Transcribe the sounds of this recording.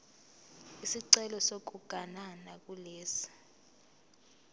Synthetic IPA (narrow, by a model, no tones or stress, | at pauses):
isiǀɛlɔsok̬ʼuɡ̥ʱananak̬ulɛːsi̥